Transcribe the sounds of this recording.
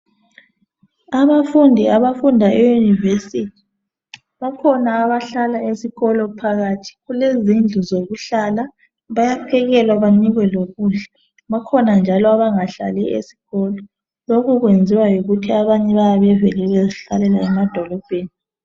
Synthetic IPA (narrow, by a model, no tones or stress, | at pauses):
aβafundʱiaβafundʱaʔɛjunivesitʰi̥ | βakʰɔnaːβaɬalaesiɣɔlɔpʰaɣatʰi̥ɣulezind͡ɮʱuzoɣuɬala | βajapʰɛɣɛlwaβaɲiɣwɛloɣuɮɛ | βakʰɔnand͡ʒʱalɔaβaŋaɬa̰lɛʔesi̥ɣɔlɔ | loɣuɣwend͡zʱiwajoɣutʰiaβaɲɛβajaβɛvelɛβeziɬalɛlaɛmad̥ʱɔlɔb̥ʱeːni